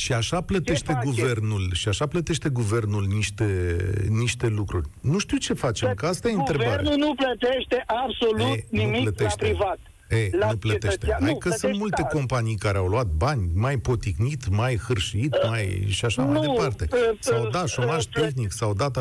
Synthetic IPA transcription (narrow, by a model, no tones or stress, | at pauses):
ʃiaʃaplət̪e̞ʃt̪e̞ɡuve̞rnulʃiaʃaplət̪e̞ʃt̪e̞ɡuve̞rnulniʃt̪eniʃt̪e̞lukɾurʲnuʃt̪iwt͡ʃe̞fat͡ʃemkəast̪ajeɨnt̪ɾebaɾa̰nunuplət̪eʃt̪e̞ʔabsolueniumiplət̪eʃt̪evat̪ | enuplət̪eʃt̪eɦajkəsunt̪mult̪e̞ko̞mpanijkaɾeawluat̪̚banʲmajpot̪ixnit̪majxɨrʃit̪majʃiaʃamanjjd̪epart̪e̞sawd̪aʃo̞maʒt̪e̞xniksawd̪at̪ə